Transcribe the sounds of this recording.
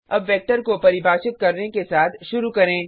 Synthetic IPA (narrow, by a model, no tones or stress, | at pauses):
ɐbʋɛːk̚ʈəɾkopɐɾɪbʱaːt͡ʃɪt̪̚kɐɾnekesaːt̪ʰʃʊɾukɐɾẽː